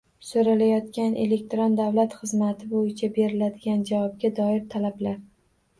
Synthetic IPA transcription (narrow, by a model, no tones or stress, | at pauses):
soɾalajɒt̪kʲanʔe̞le̞k̚ʲt̪ɾond̪avlat̪χɨzmat̪ʰɪbojɪt͡ʃʰabe̞ɾɪlad̪ɪɡʲand͡ʒavɒb̚ɡʲad̪ɒɪɾt̪ʰalablaɾ